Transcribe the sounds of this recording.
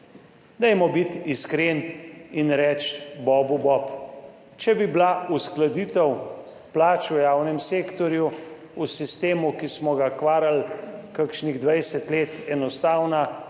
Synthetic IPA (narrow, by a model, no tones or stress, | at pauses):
d̪ɛjmɔbit̪iskɾeninɾɛːt͡ʃ̪bɔːbubɔp | t͡ʃɛbiblausklad̪iːt̪ɛw | plaːt͡ʃwjaːwnɛmseːkt̪ɔɾju | usist̪eːmukismɔɡakʋaːɾalkəkʃniɣd̪ʋajsɛt̪leːt̪ɛnɔst̪aːwna